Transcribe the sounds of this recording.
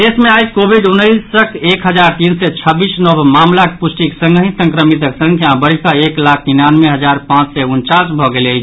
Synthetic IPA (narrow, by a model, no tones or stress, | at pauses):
d̪esmeajkobʱiɖunːəɪsːəkʰekɦəd͡ʒaɾt̪insɛt͡ʃʰəbisnəbmamlakepusʈiksəŋɡɦĩsə̃ŋkɾəmit̪əksə̃ŋkʰjabəɾ̤ikaeklak̚ʰt̪inanmeɦəd͡ʒaɾpãt͡ʃsɛunt͡ʃasbʱɔɡelət͡ʃʰ